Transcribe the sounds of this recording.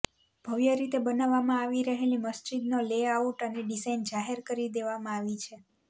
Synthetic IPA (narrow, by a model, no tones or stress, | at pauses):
b̥ʱəʋjəɾit̪ebənaʋːamãaʋiɾəɦeliməsd͡ʒid̪noleauʈəneɖisaind͡ʒaɦeɾkəɾid̪eʋamãaʋit͡ʃʰe